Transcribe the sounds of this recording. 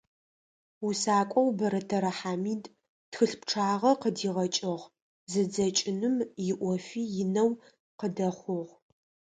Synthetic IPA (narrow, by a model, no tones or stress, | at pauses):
usaːkʷʼɔwbɐɾɐtʰɐɾɐħaːmiːd | txɨɬpʈ͡ʂʰaːʁɐqədiːʁɐt͡ʃʼɐʁ | zɨd͡zɐt͡ʃʼɪnɨmjɪʔʷɔfiːjɪnɐw | qədɐχʷʊʁ